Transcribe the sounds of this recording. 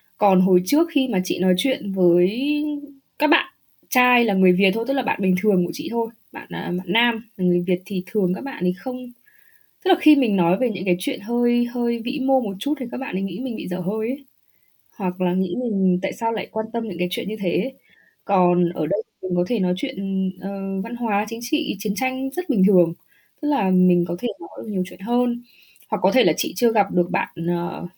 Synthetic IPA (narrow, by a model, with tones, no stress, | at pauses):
kɔ˨˩nɦo˨˩jt͡ɕɨ˦˥ək̚xi˧maː˨˩t͡ɕḭ˧˨nɔ˨˦jt͡ɕwḭ˧˨ənvəː˨˦j | kaː˦˥k̚ɓa̰ː˧˨n | t͡ɕaː˧jlaː˨˩ŋɨ˨˩əjvi˨˩t̚t̪ʰo˧t̪ə˦˥laː˨˩ɓa̰ː˧˨nmi˨˩ŋ̟t̪ʰɨ˨˩əŋku˧˩ət͡ɕḭ˧˨t̪ʰo˧j | ɓa̰ː˧˨nʔːɓa̰ː˧˨nːaː˧mlaː˨˩ŋɨ˨˩əjvi˨˩ət̚t̪ʰi˨˩t̪ʰɨ˨˩əŋkaː˦˥k̚ɓa̰ː˧˨nt̪ʰi˨˩xə˧wŋ͡m | t̪ə˦˥k̚laː˨˩xi˧mi˨˩ŋ̟nɔ˨˦jve˨˩ɲɨ̰˧˥ŋkaː˨˦jt͡ɕwḭ˧˨ənɦəː˧jhəː˧jvḭ˧˥mo˧mo˨˩t̚t͡ɕu˦˥t̚t̪ʰi˨˩kːaː˦˥k̚ɓa̰ː˧˨nə˨˦ŋḭ˧˥mï˨˩ŋ̟ɓḭ˧˨zəː˧˩ɦəː˧j | hwa˨˩k̚laː˨˩ŋḭ˧˥mi˨˩ŋ̟t̪a̰ː˧˨jsaː˧wla̰ː˧˨jkwaː˧nt̪ə˧mɲɨ̰˧˥kaː˨˦jt͡ɕwḭ˧˨ənɲɨ˧t̪ʰe˨˦ | kɔ˨˩nʔəː˧˩ɗə˧jt̪ʰi˨˩mï˨˩ŋ̟kɔ˨˦t̪ʰe˧˩nɔ˨˦jt͡ɕwḭ˧˨ənʔəː˨˩va˧nɦwaː˨˦t͡ɕï̟˨˦t͡ɕḭ˧˨t͡ɕi˨˦ənt͡ɕa˧jŋ̟zə˦˥t̚ɓï˨˩ŋ̟t̪ʰɨ˨˩əŋ | t̪ɨ˦˥k̚laː˨˩mï˨˩ŋ̟kɔ˨˦t̪ʰe˧˩nɔ˨˦j̚ɲi˨˩əwt͡ɕwḭ˧˨ənɦəː˧n | hwa˨˩kːɔ˨˦t̪ʰe˧˩laː˨˩t͡ɕḭ˧˨t͡ɕɨ˧əɣa˨˩p̚ɗɨ˨˩ək̚ɓa̰ː˧˨nəː˨˩